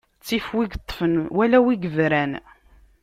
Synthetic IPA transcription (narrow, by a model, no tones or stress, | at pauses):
t͡sːifwiɡt̪ˤːfənwælæwiɡəvɾæn